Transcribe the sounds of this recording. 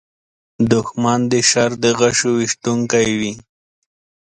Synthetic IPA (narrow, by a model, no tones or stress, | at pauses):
d̪ʊxmand̪əʃaɾd̪əɣaʃowiʂt̪uŋkajwi